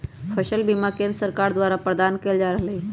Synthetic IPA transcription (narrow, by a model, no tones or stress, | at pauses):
pʰəʃəlbimakẽnɾsəɾkaːɾd̪waːɾapɾəd̪aːnkeːld͡ʒaːɾəɦle